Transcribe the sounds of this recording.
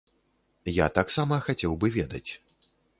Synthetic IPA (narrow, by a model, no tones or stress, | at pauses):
ja̰t̪aksamɐxat͡sʲɛwbɨvʲɛd̪ɐ̰t͡sʲ